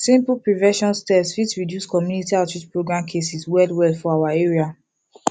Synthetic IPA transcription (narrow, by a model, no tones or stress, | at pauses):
sĩmpl̩pɹivɛ̃ʃɔ̃nstɛsfitsɹidjuskɔmjunitiatɹid͡ʒpɹoɡɹãmkʰesiswɛldwɛlfɔawaeɹia